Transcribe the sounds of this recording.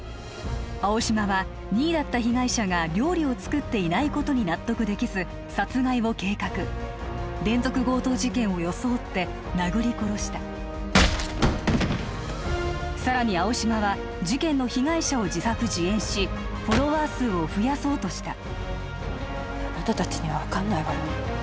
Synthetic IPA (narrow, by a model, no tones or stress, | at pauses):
ao̞ɕimaβa | ɲ̟iːd̪at̪ːaçiɡaiɕaɡaɾʲo̞ːɾʲio̞t͡sɨ̥kɯ̟t̪ːe̞inaiko̞t̪o̞ɲ̟inat̪ːo̞kɯ̟d̪e̞kʲizɨ | sat͡sɨɡaiβo̞ke̞ːkakɯ̟ | d̪ẽ̞nd͡zo̞kɯ̟ɡo̞ːt̪o̞ːʑikẽ̞ɰ̃o̞jo̞so̞ːt̪ːe̞ | naɡɯ̟ɾʲiko̞ɾo̞ɕi̥t̪a | saɾaɲ̟iao̞ɕimaβa | ʑikẽ̞nːo̞çiɡaiɕao̞d͡ʑisakɯ̟ʑiẽ̞ɰ̃ɕi | ɸo̞ɾo̞βaːsɨːo̞ɸɯ̟jaso̞ːt̪o̞ɕi̥t̪a | at̪at̪at͡ɕi̥ɲ̟iβaβakanːaiβaɾo